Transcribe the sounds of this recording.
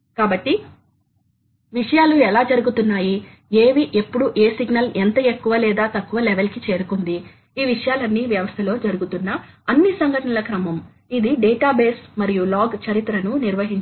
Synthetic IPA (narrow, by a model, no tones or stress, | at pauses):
kaːbɐʈːi | ʋiʂɐjaːluɛlaːd͡ʒɐɾuɡut̪unːaːji | eːʋiʔe̞pːuɽuʔe̞ːsiɡnɐlent̪ɐe̞kːuʋɐlɛːd̪aːt̪ɐkːuʋɐlɛʋelkit͡ʃe̞ːɾukund̪i | iːʋiʂɐjaːlɐnːiːʋjɐʋɐst̪ʰɐlo̞ːd͡ʒɐɾuɡut̪unːɐɐnːisɐŋɡʱɐʈɐnɐlɐkɾɐmɐm | id̪iɖɛːʈaːbeːsmɐɾijulaːɡt͡ʃɐɾit̪ɾɐnuniɾʋɐɦiɲt͡ʃ